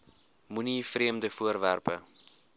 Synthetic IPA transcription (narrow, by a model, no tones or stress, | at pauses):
munifriəmdəfuərværpə̰